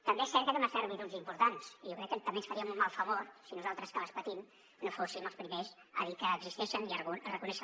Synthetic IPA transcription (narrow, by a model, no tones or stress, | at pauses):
t̪əmbeɛsɛɾt̪kəðəməsaɾβiðunzimpuɾt̪ansijowkɾɛkːət̪əmbensfəɾiəmummalˠfəβoɾsinuzalˠt̪ɾəskaβəspət̪im | nofosiməlˠspɾimezəðikəːɡzist̪eʃənirurəkunɛʃə